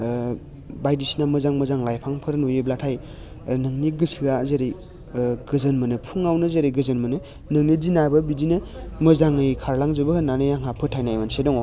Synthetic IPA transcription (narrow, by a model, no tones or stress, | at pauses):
bajdisinamɯzaŋmɯzaŋlajpʰaŋpʰɯɾnujɯblatʰaj | nɯŋniɡɯsɯazeɾi | ɡɯzɯnmɯnɯpʰuŋawnɯzeɾiɡɯzɯnmɯnɯ | nɯŋnidinabɯbidinɯmɯzaŋɯjkʰaɾlaŋzɯbɯhɯnanɯjaŋɦapʰɯtʰːajnajmansedɔŋɔ